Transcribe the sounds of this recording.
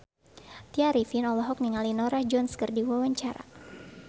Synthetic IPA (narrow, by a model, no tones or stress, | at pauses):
t̪iaɾifinɔlɔɦɔk̚niŋalinɔɾahd͡ʒɔnskərdiwawaɲt͡ʃaɾa̰